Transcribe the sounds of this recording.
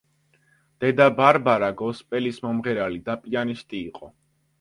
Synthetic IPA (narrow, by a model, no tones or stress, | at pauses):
d̪̥ɛd̪abaɾbaɾaɡɔspʼɛlismɔmʁɛɾalid̪apʼianist̪ʼiːqʼɔ